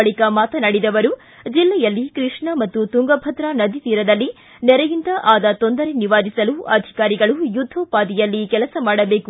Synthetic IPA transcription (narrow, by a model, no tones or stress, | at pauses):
ɐɭikɐmaːt̪ɐnɐɽid̪ɐʋɐɾu | d͡ʒilːɛjɐlːikɾiʂɳɐmɐt̪ːut̪uŋɡɐbʱɐt̪ɾɐnɐd̪ʱit̪iːɾɐd̪ɐlːi | nɛɾɐjint̪ɐʔaːd̪ɐt̪o̞nd̪ɐɾeniʋaːd̪isɐluɐd̪ʱi̥kaːɾiɡɐɭujud̪ʱːoːpaːd̪ijɐlːikɛlɐsɐmaːɽɐbeːku